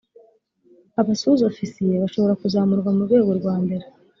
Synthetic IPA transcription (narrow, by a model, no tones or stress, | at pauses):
aβasuzofisijeβaʃo̞βo̞ɾakuzaːmuɾɡwamuɾɡwe̞ːɡo̞ɾɡwaːmbe̞ɾe